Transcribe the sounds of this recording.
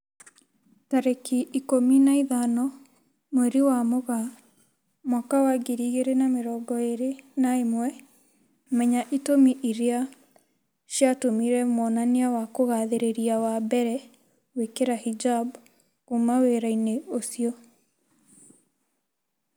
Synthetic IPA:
taɾekiʔikominaiðanɔ | mwɛɾiwamoɣa | mwakawaɡeɾiɣeɾenameɾɔːɡɔeɾenaemwɛ | mɛɲaʔitomiʔiɾea | ʃjatomiɾɛmɔnaneawakoɣaðeɾeɾiawabɛɾɛ | wekeɾahid͡ʒab | kumaweɾaineosiɔ

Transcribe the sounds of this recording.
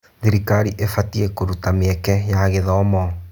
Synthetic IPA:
ðiɾikaɾiʔefatiɛkoɾutameɛkɛjaɣeðɔmɔ

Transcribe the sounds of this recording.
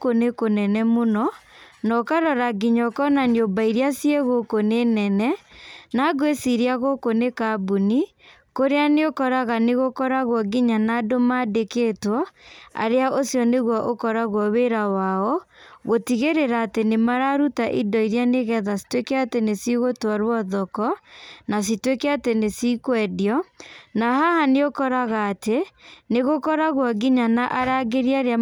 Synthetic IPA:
konekonɛnɛmonɔnɔkaɾɔɾaɡiɲɔkɔnanjobaiɾiasieɣokonenɛnɛnaɣwesiɾiaɣokonekabuni | koɾeaneokɔɾaɣaneɣokɔɾaɣwɔɡiɲanaːdomadekeːtwɔa̰ɾeaʔosjɔneɣwaʔokɔɾaɣwɔweɾawaɔɣotiɣeɾeɾaːtenemaɾaɾutaʔidɔiɾjaneɣɛðasi̥twekɛatenesiɣotwaɾwɔðɔkɔnas̬itwekɛatenesikwɛdiɔnahahaneokɔɾaɣaːteneɣokɔɾaɣwɔɡiɲanaʔaɾaɡeɾjiaɾea

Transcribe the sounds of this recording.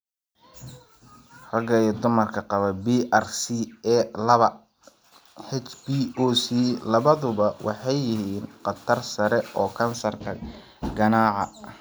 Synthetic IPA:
rɐɡɐjɛːd̪ʊmɐrkʰɐqɑβɐbiːʔɐrsiɛlɐβɐ | ħɛt͡ʃbiɔːsilɐβɐðʊβɐwʔɑħɑjːɪɦiːnqɑt̪ʰɐrsɐɾɛʔɔːkʰɐnsɐrkʰɐ | ɡɐnaːʕɑ

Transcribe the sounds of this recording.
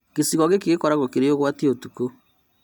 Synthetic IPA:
kesiɣɔɣekeɣekɔɾaɣokeɾeoɣwateotuko

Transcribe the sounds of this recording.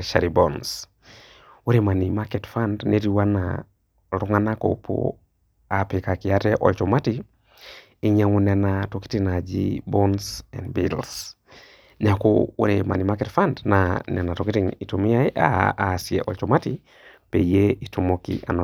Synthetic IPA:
ʃa̰ɾibɔns | uɾemanimakɛtfandneɾiwana̰ | ɾuŋanako̰pʰo̰ | apekakiatɛʔɔlt͡ʃɔmati | iɲaŋunɛnatoki̥tinad͡ʒḭbɔnsɛ̰nbils | nɛako̰ṵɾema̰nimakɛtfandnanɛnatokitinitomiaiʔa̰siɛʔɔt͡ʃɔmati | peijeitumokḭʔa̰na

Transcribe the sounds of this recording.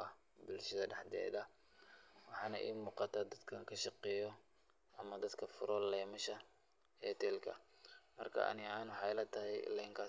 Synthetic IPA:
ɐ | bʊlʃɐðɐɖɛħd̪ɛ̰ːðɐ | wɑħɑːnɐ̰ʔḭːmuːqɑt̪ʰad̪ɐd̪kʰɐŋkʰɐʃɑqɛjɔ | ʔɐmɐd̪ɐd̪kʰɐfʊɾɔlɛjmɐʃɐ | ɛːt̪ʰɛːlkʰɐ̰mɐrkʰɐ̰ɐ̰nɪaːnwɑħɑlɐt̪ʰɐɦɛj̰lɛŋkʰaː

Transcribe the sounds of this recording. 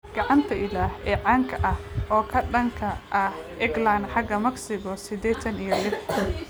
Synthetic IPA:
ɡ̥ɑʕɑnt̪ʰɐɪlaːhɛːʕɑːŋkʰɐʔɐhʔɔːkʰɐɖɐŋkʰɐʔɐhʔɪɡlanħɑɡɐmɐɡsɪɣɔsɪd̪ɛːt̪ʰɐnijɞlɪħʰɐ

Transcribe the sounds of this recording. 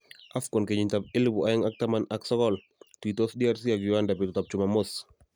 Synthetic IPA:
afkɔnkeɲɪɲtap̚ɪlibʊʔajɪŋak̚tamanaksɔkɔl | twitɔsdiaɾsiakjʊandapɪtʊtap̚t͡ʃʊmamos

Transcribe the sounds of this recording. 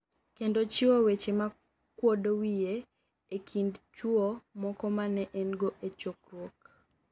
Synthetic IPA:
kendot͡ʃɪwowet͡ʃema | kwodowije | ekʰindt͡ʃuomɔkɔmanɛʔɛnɡoʔet͡ʃokrwok

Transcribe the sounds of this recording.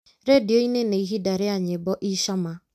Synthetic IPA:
ɾedɪoineneiɦidaɾɪaɲebɔʔiʃɔma

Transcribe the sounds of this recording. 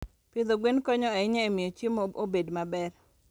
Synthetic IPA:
pɪd̪oɡwenkoɲɔaɪɲɛemɪjot͡ʃimobedmabɛr

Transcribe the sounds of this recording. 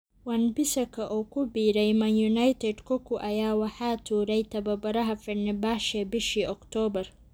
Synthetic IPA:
wɐnbɪsɐkʰɐʔɔːkʰʊbiːɾɛjmɐnjʊnɐjt̪ʰɛd̪kʰɔkʰʊʔɐjaːwɑħɑːt̪ʰuːɾɛjt̪ʰɐβɐbɐɾɐɦɐfɪnɪbaːʃɛbɪʃiːʔɔkt̪ʰɔːbɐr

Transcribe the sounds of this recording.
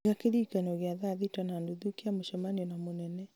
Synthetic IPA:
ɡakeɾikanɔɣeaðaðitanandoðukiamoʃɔmaniɔnamonɛnɛ

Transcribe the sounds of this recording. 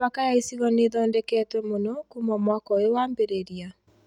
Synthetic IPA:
akajaisiɣɔneðɔːndɛkɛːtwɛmonɔkumɔmwɔkɔewaːmbeɾeɾia

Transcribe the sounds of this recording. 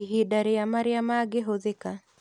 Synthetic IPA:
iɦidaɾejamaɾɪamaɡeɦoðeka

